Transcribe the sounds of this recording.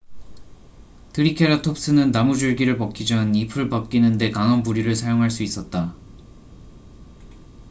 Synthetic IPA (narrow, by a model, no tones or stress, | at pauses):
tʰɯɾikʰeɾatʰop̚s͈ɯnɯnːamud͡ʑuɭɡiɾɯɭpʌk͈ʰid͡ʑʌnipʰɯɭpʌp̚k͈inɯnde̞kaŋʌnbuɾiɾɯɭsʰajoŋɦaɭs̬͈uis͈ʌt̚t͈a